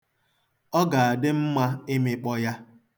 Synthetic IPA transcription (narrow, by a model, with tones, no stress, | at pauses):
ɔ˦ɡa˨a˨dɪ˦m̩˦ma˦e˦mɪ˦k͡pɔ˦ja˦